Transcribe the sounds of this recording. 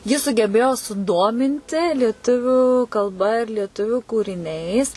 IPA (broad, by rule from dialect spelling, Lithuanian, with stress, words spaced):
jɪ sʊɡʲɛˈbʲeːjoː sʊˈdoːmʲɪnʲtʲɪ lʲiɛˈtʊʋʲʊ kɐlˠˈbɐ ɪr lʲiɛˈtʊʋʲʊ kuːrʲɪˈnʲɛɪs